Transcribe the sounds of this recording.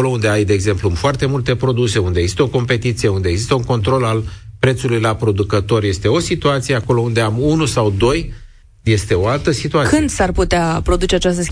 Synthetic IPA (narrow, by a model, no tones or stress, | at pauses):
olo̞und̪eajd̪e̞ːɡze̞mplumfoart̪e̞mult̪e̞pɾo̞d̪use̞und̪eɡzist̪eo̞ko̞mpe̞t̪it̪sije̞und̪eeɡzist̪əuŋko̞nt̪ɾo̞lalpɾe̞t̪sulujlapɾo̞d̪ukət̪o̞rje̞st̪e̞o̞sit̪uat̪sije̞ako̞lo̞und̪e̞amunusawd̪o̞j | je̞st̪e̞o̞alt̪əsit̪uakɨnd̪sarput̪eapɾo̞d̪ut͡ʃeat͡ʃast̪əs